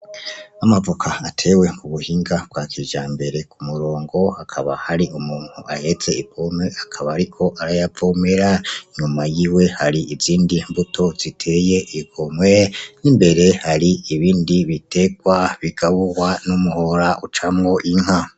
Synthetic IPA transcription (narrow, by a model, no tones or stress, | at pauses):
amavukʰaːtʰe̞ːwe̞kuβuhiːŋɡabɡwakʰiʒaːmbe̞ɾe̞kumuɾo̞ːŋɡo̞hakʰaβahaɾiʔumuːn̥huahe̞t͡se̞ipomeakʰaβaːɾikʰo̞ʔaɾajavomeɾaɲumajiːwe̞haɾiʔiziːndimbutʰo̞z̥itʰe̞je̞ʔikomwe̞nimbe̞ɾe̞haɾiiβiːndiβite̞ɡwaβiɡaβuwanumuho̞ɾaʔut͡ʃamŋo̞ʔiŋ̥ha